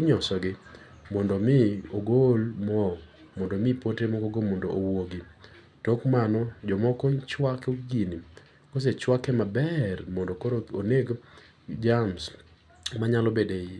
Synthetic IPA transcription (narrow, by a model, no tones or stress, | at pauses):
ɲɔsɔɡɪ | mɔndɔmɪoɡolmɔ | mɔndomɪpotemɔkɔɡomɔndoʔowoɡɪ | tokmanɔd͡ʒɔmɔkɔt͡ʃwakoɡini | kɔs̬et͡ʃwakɛmabɛrmɔndokoɾooneɡ | d͡ʒams | maɲalɔbede